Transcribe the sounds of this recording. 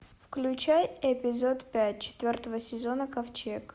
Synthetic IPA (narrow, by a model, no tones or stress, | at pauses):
fklʲʉt͡ɕæjɛpʲɪzo̞t̪pʲæt̚ʲt͡ɕɪ̥t̪vʲort̪əvəsʲɪzo̞nəkɐft͡ɕek